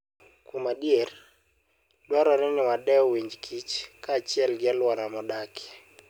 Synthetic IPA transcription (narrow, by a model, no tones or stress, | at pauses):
kumadijer | dwaɾɔɾɪnɪwadɛɔwiɲd͡ʒkʰit͡ʃkaːt͡ʃɪɛlɡɪalwaɾamɔdakʰɪ̥